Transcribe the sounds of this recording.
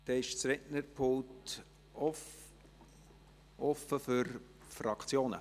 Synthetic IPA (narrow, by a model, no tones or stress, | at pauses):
d̪̥ɛɪʃt͡sɾɛʔnəɾpʰʊlt | ɔ | ʔɔfəfʏɾ | frɑkʰt͡sjoːnə̰